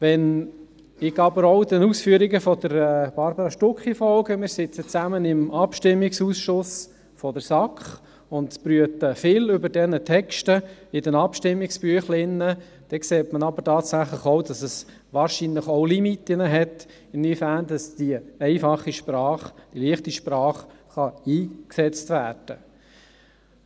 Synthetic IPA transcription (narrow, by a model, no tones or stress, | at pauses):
ʋɛn | ɪɡɑbəɾɔʊdɛnuːsfyəɾiɡəfɔdəɾɛb̥ɑɾbəɾɑʃtʊkχifɔlɡəmɪːɾsɪt͡sət͡sæmənɪmʔɑpʃtɪmːɪksuːsʃʊs | fɔdəɾsɑkχ | ʊntpɾyətəfɪlʏbəɾdɛnətʰɛkʃtəɪdɛnɑpʃtɪmːɪkspyəχlɪnːə | d̥ɛkseːtmənɑbəɾtɑːtsæχləχoʊdɑsəs | ʋɑːɾʃinləχoʊlimitːɪnəɦɛt | ɪnːifæːndɑsd̥iɛɪfɑχːiʃprɑːχd̥iliəχtiʃprɑːχχɑiːksɛt͡stʋæːɾd̥ə